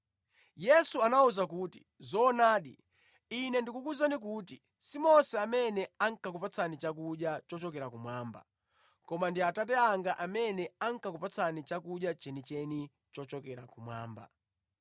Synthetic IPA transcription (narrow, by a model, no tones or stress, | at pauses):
jɛsuanauzakuːti | zɔːnaːɗḭ | inɛndikukuzanik̬uːti | simɔsɛamɛnɛaŋ̩kakupat͡sʰanit͡ʃak̬uɗjat͡ʃɔt͡ʃɔkɛɾakumwaːmba̰ | kɔmandiatat̬ɛaŋɡaʔamɛnɛaŋ̩kakupat͡sʰanit͡ʃakuɗjat͡ʃɛnit͡ʃɛni | t͡ʃɔt͡ʃɔkɛɾakumwa̰ːmba̰